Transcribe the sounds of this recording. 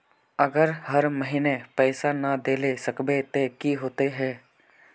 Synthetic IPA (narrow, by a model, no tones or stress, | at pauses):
əɡəɾhəɾməɦinepɛːsanəd̪eːlesəkbet̪ekiɦoːt̪eɦɛː